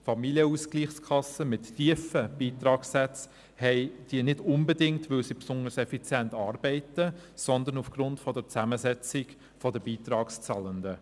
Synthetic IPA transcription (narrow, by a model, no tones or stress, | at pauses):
fɑmiljəuːsɡ̥liːχskʰɑsəmɪtːiːəfəb̥iːtɾɑːksɛt͡s | hɛɪd̥iːənɪdʊnbədɪŋtʋʏlsipsʊnəɾsɛfit͡sjɛntɑːɾbɛɪtəsɔndənufɡ̥ɾʊntfɔdəɾt͡sæməzɛt͡sɪɡ | fɔdəbiːtɾɑːkst͡sɑːləndə